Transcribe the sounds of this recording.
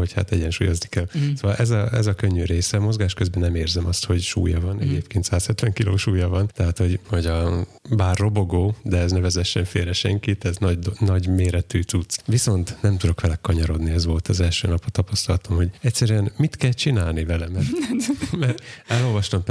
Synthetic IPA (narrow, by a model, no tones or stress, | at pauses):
ho̞cha̰t̪ɛɟɛnʃuːjo̞znikɛlsoːvɒlʔɛzɒɛzɒkøɲːyɾeːsɛmo̞zɡaːʃkøzbɛnɛmeːrzɛmɒst̪ho̞ɟʃṵːjɒvɒnɛɟeːpkeːnt̪saːshɛt̪ʋɛŋkilo̰ːʃuːjɒvɒnt̪ɛɦaːt̪ho̞ɟho̞ɟɒ | baːrːo̞bo̞ɡoːd̪ɛɛznɛvɛzɛʃʃɛɱfeːɾɛʃɛ̰ŋkit̪ɛznɒɟd̪nɒɟmeːɾɛt̪yːt͡sut̪sʋiso̞nt̪nɛmt̪ud̪o̞kʋɛlɛkkɒɲɒɾo̞d̪niɛzʋo̞lt̪ɒzɛlʃø̰ːnɒphɒt̪ɒpɒst̪ɒlɒt̪omho̞ɟɛcsɛɾyɛnmit̪kɛlt͡ʃinaːlnivɛlɛmɛrmɛɛlːo̞lvɒʃt̪omp